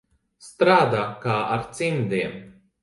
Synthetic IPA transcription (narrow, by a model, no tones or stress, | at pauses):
st̪ɾaːd̪aːkaːʔaɾt̪sind̪iɛm